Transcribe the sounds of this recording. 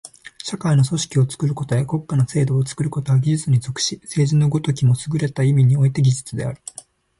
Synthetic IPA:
ɕakaino̞so̞ɕi̥kʲio̞t͡sɨ̥kɯ̟ɾɯ̟ko̞t̪ojako̞kːanose̞ːd̪o̞ːt͡sɨ̥kɯ̟ɾɯ̟ko̞t̪oaɡʲiʑɨt͡sɨɲ̟izo̞kɯ̟̥ɕise̞ːʑinoɯɡot̪o̞kʲimo̞sɨɡɯ̟ɾe̞t̪aimʲiɲ̟io̞it̪e̞ɡʲid͡ʑɨt͡sɨd̪e̞̰a̰ɾɯ̟

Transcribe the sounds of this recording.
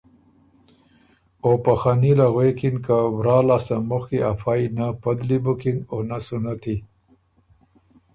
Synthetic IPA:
opaxanilaɣwekinkawɾɑːlɑst̪amʊxkiafʰajnapad̪libʊkɪŋɡonasunat̪ʰi

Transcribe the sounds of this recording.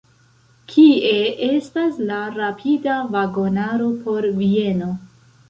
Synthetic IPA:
kʰie̞e̞staslaɾapʰidavaɡo̞naɾo̞pʰo̞ɾvie̞no̞

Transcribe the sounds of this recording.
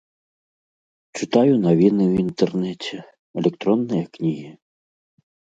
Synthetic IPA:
t͡ʃɨt̪ajʊnɐʋʲinɨwint̪ɛrnɛt͡sʲɛ | ɛlʲɛkt̪ɾɔnːɨjɐknʲiɦi

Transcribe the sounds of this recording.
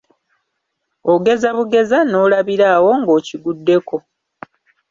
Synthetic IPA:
oɡe̞zaβuɡe̞zano̞ːlaβiɾaːwo̞ŋɡo̞ːciɡudːe̞kʰo̞

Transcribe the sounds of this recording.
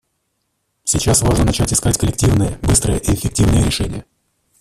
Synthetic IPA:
sʲɪt͡ɕasvaʐnənɐt͡ɕætʲɪskatʲkəlʲɪk̚tʲivnɨjəbɨst̪ɾəjəʔiɪfʲːɪk̚tʲivnɨjəɾʲɪʂɛnʲɪ̰jə

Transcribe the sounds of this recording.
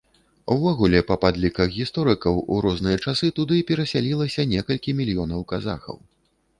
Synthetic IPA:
uvɔɣulʲɛpɐpad̪lʲikɐxɣʲist̪ɔɾɨkɐwuɾɔznɨjɐt͡ʂasɨt̪ud̪ɨpʲɛɾɐsʲalʲilˠɐsʲɐnʲɛkɐlʲkʲimʲilʲjɔnɐwkaza̰xɐ̰w

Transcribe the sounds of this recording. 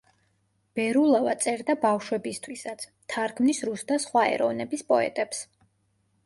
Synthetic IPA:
b̥ɛɾulˠavat̪sʼɛɾd̪abafʃwɛbist̪ʰwisat̪sʰ | t̪ʰaɾkʰmnisɾusd̪asχwaɛ̰ɾɔvnɛbispʼɔɛ̰t̪ʼɛps

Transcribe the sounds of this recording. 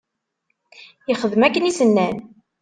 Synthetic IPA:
iχəðmækːənisənːæn

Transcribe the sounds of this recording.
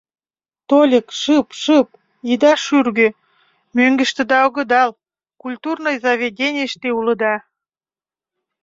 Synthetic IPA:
t̪olʲəkʃɨpʃɯp̚ | id̪ɑʃyrɣø | møŋɡə̆ʃt̪ĕd̪ɑoɣə̆d̪ɑl | kulʲt̪urnojzɑvʲeɡʲenʲeʃt̪eulə̆d̪ɑ

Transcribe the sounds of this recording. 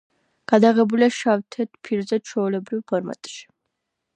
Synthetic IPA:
ɡ̥ad̪aʁɛbuliaʃavt̪ʰɛt̪ʰpʰiɾzɛt͡ʃʰɔulɛbɾivpʰɔɾma̰t̪ʼʃi̥

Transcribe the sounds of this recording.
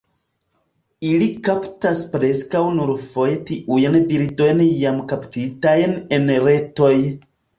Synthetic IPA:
ilikaptaspɾeskawnuɾfojtiʔujanbiɾdo̞jnjamkaptitajnenɾeto̞j

